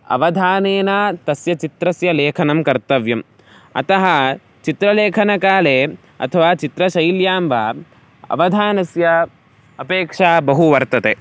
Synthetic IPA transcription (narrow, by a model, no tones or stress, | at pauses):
ɐ̰ʋɐd̪ʱaːneːnat̪ɐsjɐt͡ʃit̪ɾɐsjɐleːkʰɐnɐmkɐɾt̪ɐʋjɐm | ɐ̰t̪ɐɦɐ | t͡ʃit̪ɾɐleːkʰɐnɐkaːleː | ɐ̰t̪ʰɐʋaːt͡ʃit̪ɾɐʃɐjljaːmʋaː | ɐ̰ʋɐd̪ʱaːnɐsjɐ | ɐpeːkʂaːbɐɦuʋɐɾt̪ɐt̪eː